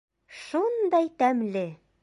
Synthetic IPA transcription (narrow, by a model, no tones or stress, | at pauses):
ʃund̪ɑjt̪æmlɘ